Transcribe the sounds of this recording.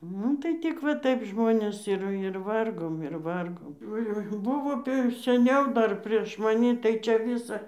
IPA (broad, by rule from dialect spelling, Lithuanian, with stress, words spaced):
ˈnʊ tɐɪ ˈtʲɪk ʋɐ ˈtɐɪp ˈʒmoːnʲeːs ɪr ɪr ˈʋɐrɡoːm ɪr ˈʋɐrɡoːm oːˈjoːɪ ˈbʊʋoː tɐɪ ɪr sʲɛˈnʲɛʊ ˈdɐr pʲrʲiɛʃ mɐˈnʲɪ tɐɪ t͡ʃʲɛ ˈʋʲɪsɐ